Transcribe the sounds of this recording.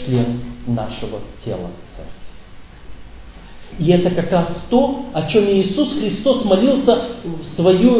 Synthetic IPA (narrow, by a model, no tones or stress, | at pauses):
lʲenːa̰ʂɨvətʲe̞̰lˠə̰t̪sɛ̰rkʲ | ɪɛt̪əkɐkɾast̪o̞ɐt͡ɕo̞mɪːsusxɾʲɪst̪o̞smɐlʲilˠsəsvɐju